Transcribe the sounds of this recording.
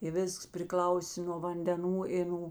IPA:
ɪ ˈʋʲɪsks pʲrʲɪˈklˠɐʊsʲeː noː ʋɐnʲdʲɛˈnuː ɪ ˈnuː

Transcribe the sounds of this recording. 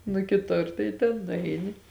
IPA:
nʊ kʲɪˈtʊr tɐɪ tʲɛn nʊˈɐɪnʲɪ

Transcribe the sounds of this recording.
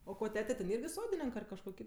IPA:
oː ˈkoː ˈtʲæːtʲɛ tʲɛn ˈɪrʲɡʲɪ ˈsoːdʲɪnʲɪŋk ɐr kɐʃˈkuɔ ˈkʲɪt

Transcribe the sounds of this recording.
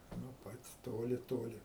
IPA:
nuɔ ˈpɐtʲ ˈtoːlʲɪ ˈtoːlʲɪ

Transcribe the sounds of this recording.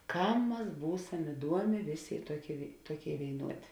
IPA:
ˈkɐm ˈmɐs ˈbuːsɐm ɪˈduɔmʲeː ˈʋʲeːˌsʲeː ɪ ˈtuɔˌkʲeːɪ ʋʲeːɪ ˈtuɔˌkʲeːɪ ʋʲeːɪˈnuɔdʲeː

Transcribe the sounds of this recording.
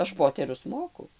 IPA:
ˈɐʃ ˈpoːtʲɛrʲʊs ˈmoːkʊ

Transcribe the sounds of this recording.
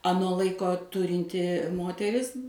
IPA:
ɐˈnoː ˈlˠɐɪkoː ˈtʊrʲɪnʲtʲɪ ˈmoːtʲɛrʲɪs

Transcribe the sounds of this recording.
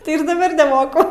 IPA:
ˈtɐɪ ɪr dɐˈbɐr nʲɛˈmoːkʊ

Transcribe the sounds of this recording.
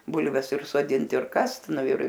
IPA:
ˈbʊlʲʋʲɛs ɪr soːˈdʲɪnt ɪr ˈkɐst ˈnʊ ɪr

